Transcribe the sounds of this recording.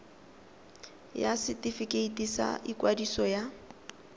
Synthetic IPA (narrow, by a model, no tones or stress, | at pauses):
jasɪtifikeitʼisa̰ikʼwadisɔja